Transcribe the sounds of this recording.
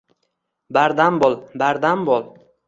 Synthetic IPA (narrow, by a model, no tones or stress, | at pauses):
baɾd̪ambɒlˠbaɾd̪ambɒlˠ